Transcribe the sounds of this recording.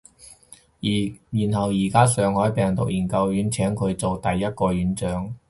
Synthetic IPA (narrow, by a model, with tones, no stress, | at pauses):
jyː˨˩nɦɐ˨˩wjiː˨˩kaː˥sœː˨ŋhɔː˨˥jpɛː˨ŋt̪ʊ˨k̚jiː˨˩nkɐ˧wjyː˨˥nt͡sʰɛː˨˥ŋkʰɵ˨˧ɥt͡so˨wt̪ɐ˨jːɐ˥t̚kɔː˧jyː˨˥nt͡sœː˨˥ŋ